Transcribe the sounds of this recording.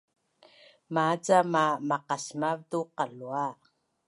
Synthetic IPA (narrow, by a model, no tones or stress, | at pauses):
mad͡zamamaqasmavtuqalua